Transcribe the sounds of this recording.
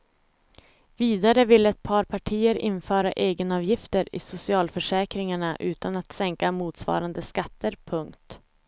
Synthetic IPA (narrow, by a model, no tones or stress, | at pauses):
viːd̪aɾəvɪlːəɛt̪̚pʰɑːɾpʰaʈʰiːəɾɪnːfœːɾaʔeːɡənɑːvjɪft̪əɾɪ̰sʊsɪɑːlfœʂɛːkɾɪŋaɳaʔʉ̟̰ːt̪anat̪sɛŋkamuːt̪svɑ̰ːɾand̪əskat̪ːəɾpʰɵŋkt̪